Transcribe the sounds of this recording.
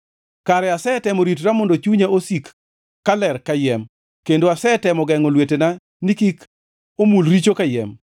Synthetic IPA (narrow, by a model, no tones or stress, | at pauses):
kaɾɛasɛːtɛmoɾitɾamɔndot͡ʃuɲaosikː | alɛrkajɛm | kendoasɛtɛmɔɡɛŋɔlwetena | nikik | omulɾit͡ʃokajɛ̰m